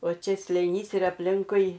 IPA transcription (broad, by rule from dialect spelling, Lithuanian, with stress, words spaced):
oː ˈt͡ʃʲɛ sʲlʲeːˈnʲiːs ɪr ɐpʲˈlʲɪŋkʊɪ